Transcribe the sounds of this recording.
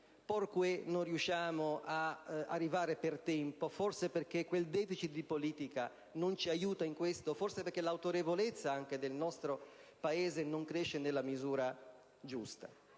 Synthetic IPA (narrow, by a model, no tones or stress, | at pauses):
porkwenonrjuʃːaːmoaa̰rːivaːɾepert̪ɛmpoforseperk̟ekːweld̪ɛːfit͡ʃit̪̚d̪ipoliːt̪ika | nont͡ʃiajuːt̪aiŋkwest̪oforseperkːelawt̪oɾevolet̪sːaaŋk̟ed̪elnɔst̪ɾopaeːzenoŋkɾeʃːenelːamizuːɾa | d͡ʒust̪a̰